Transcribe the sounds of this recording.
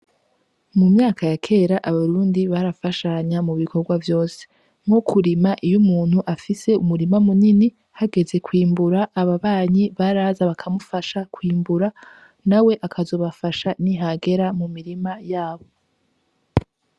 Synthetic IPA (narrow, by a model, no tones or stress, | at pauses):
mumɲaːkʰajakʰe̞ːɾaʔaβaɾuːndiβaɾafaʃaɲamuβikʰo̞ɾɡwavjo̞ːse̥ | mokuɾimaʔijumuːn̥huʔafise̞umuɾimamunini | haɡe̞ze̞kwiːmbuɾaʔːβaβaːɲiβaɾaːzaβakʰamufaʃakwiːmbuɾa | nawe̞ʔakʰazo̞βafaʃaniɦaɡe̞ɾamumiɾimajaːβo̞